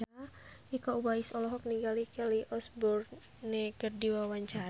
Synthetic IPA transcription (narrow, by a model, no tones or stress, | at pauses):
ʔikaubaisɔlɔɦɔk̚niŋɡalikɛliʔɔsbɔr | nekərdiwawaɲt͡ʃa